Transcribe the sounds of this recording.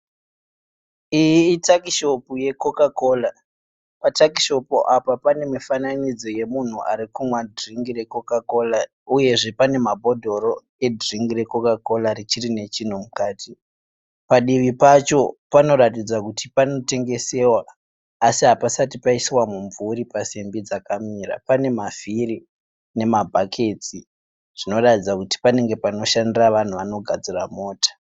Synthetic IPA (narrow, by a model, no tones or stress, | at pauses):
ijiːtakiʃo̞puje̞ko̞kako̞la | patakiʃo̞puʔapapane̞mifananid͡zo̞je̞mun̤uʔaɾikumwadriŋɡire̞ko̞kako̞la | uje̞ʐe̞pane̞mabʱo̞dʱo̞ɾo̞ | e̞driŋɡiɾe̞ko̞kako̞laɾit͡ʃirine̞t͡ʃin̤umukaːti | paɗiʋipat͡ʃo̞pano̞ɾatid͡zakutipano̞te̞ŋɡe̞se̞waː | siɦapasatipaisiwamuɱvuɾipasimbid͡zakamiɾa̰pane̞mafiri | ne̞mabʱakʰe̞t͡si | ʐ̥ino̞ratid͡zakuti̥pane̞ŋɡe̞pano̞ʃandiraʋan̤uʋano̞ɡʱad͡ziramo̞ːtḁ